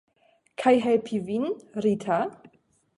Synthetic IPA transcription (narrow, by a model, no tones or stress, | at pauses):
kʰajɦɛpʰivinɾitʰa